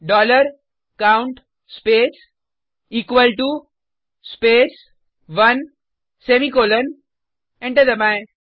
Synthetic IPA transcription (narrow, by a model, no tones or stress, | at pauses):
ɖɔːləɾ | kãʊ̃ɳʈ | speːs | iːkʋəlʈu | speːs | ʋɐn | seːmikoːlən | ɛ̃ɳʈəd̪əmãɪn